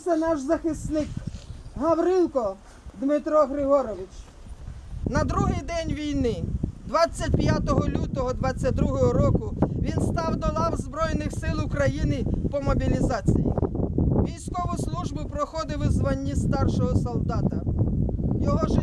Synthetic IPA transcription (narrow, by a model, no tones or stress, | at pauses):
sɛnɑʃzɐxɪsnɪkɦɐwɾɪlˠkɔ | d̪mɪt̪ɾɔɦɾɪɦɔɾɔʋɪt͡ʃ | nɐd̪ɾuɦɪjd̪ɛnʲʋʲijnɪd̪ʋɑt͡sʲːɐt̚ʲpjat̪ɔɦɔlʲut̪ɔɦɔd̪ʋɑt͡sʲːɐt̚ʲd̪ɾuɦɔɦɔɾɔkʊʋʲinst̪ɑwd̪ɔlˠɑwzbɾɔjnɪxsɪlˠʊkɾɐjinɪpɔmɔbʲilʲizɑt͡sʲḭjḭʋʲijsʲkɔʋɔslˠuʒbʊpɾɔxɔd̪ɪwɪzʋɐnʲːist̪ɑrʃɔɦɔsɔlˠd̪ɑt̪ɐ | jɔɦɔʒ